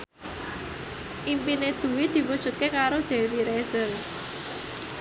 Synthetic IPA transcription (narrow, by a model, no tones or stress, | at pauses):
ʔimpined̪̥ṳwɪd̪̥i̤wud̥ʒ̥ṳt̪̚kekaɾod̪̥e̤wiɾez̥əl